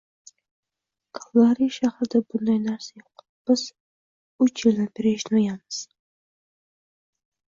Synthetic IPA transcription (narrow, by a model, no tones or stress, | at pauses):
kʰḁlˠɑɾiʃahɾd̪abʊnd̪ajnæɾsajoq | b̥ɪz̥ | ʊt͡ʃjɪlʲnabɪɾeʃnojamɨz̥